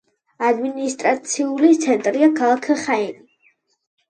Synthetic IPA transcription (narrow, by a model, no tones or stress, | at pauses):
ad̪minist̪ʼɾat̪sʰiulit̪sʰɛnt̪ʼɾiakʰalˠakʰχaini